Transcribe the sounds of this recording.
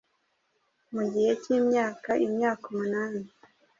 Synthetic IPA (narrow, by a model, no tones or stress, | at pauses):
muɟihe̞cimɲaːkaimɲaːkomunaːni